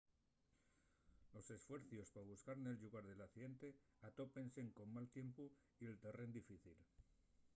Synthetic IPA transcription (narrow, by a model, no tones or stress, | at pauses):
lo̞se̞sfwe̞ɾθjo̞spaβ̞uskaɾne̞lʎuɣaɾðe̞laθiðe̞nt̪e̞at̪o̞pe̞nseŋko̞mmalt̪je̞mpo | ie̞lt̪e̞re̞nd̪ifiθil